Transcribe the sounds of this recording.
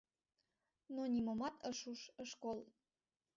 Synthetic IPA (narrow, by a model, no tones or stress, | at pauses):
nonʲimomɑt̪ʰəʃuʃəʃkolˠ